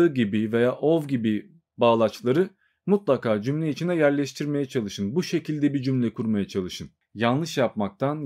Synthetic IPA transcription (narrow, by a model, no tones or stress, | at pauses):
ɯɟibive̞jaːʔovɟibi | baːlˠat͡ʃlˠaɾɯ | mut̪lˠakʰaːd͡ʒymlʲɛit͡ʃʰinɛjæɾlʲɛʃt̪ʰiɾme̞jɛt͡ʃʰalˠɯʃɯnbuʃe̞cʰilʲd̪ɛbid͡ʒymlʲɛkʰuɾmajat͡ʃʰalˠɯʃɯn | janlˠɯʃjap̚mak̚t̪ʰan